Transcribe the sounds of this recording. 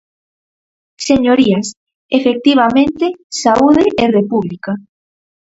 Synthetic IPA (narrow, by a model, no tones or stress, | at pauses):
seɲoɾias | efek̚t̪iβ̞amẽnt̪esauðeʔerepuβlika